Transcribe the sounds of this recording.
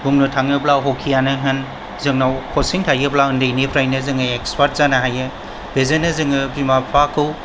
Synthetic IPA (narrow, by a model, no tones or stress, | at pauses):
buŋnɯtʰaŋɯplawɦokʰːijanɯɦɯn | zɯŋnawkʰosiŋtʰajɯplaɯndejnipʰɾajnɯzɯŋɯekspʰaɾt̚zanaɦajɯ | b̥ezenɯzɯŋɯbɾimapʰakʰɯw